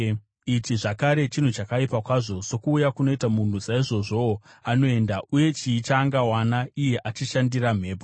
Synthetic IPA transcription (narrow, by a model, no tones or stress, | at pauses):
itiʐakaɾe̞t͡ʃin̤ut͡ʃakaipakwaːʐo̞sokuːjakuno̞itamun̤usaiʐo̞ʐo̞ano̞e̞ndauje̞t͡ʃiːt͡ʃaːŋɡawanaije̞ʔat͡ʃiʃandiɾam̤e̞ːpo